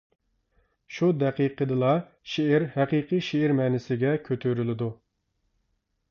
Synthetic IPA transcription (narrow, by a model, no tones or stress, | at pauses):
ʃud̪ɛqiqʰəd̪ɨlˠɑ | ʃeːɾhɛqiːqɨʃeːɾmɛnɪsɪɡʲɛkʲʰøt̪ʰøɾylɪd̪u